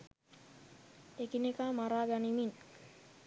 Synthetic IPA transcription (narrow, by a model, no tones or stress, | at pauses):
ekinekamaɾaːɡanimin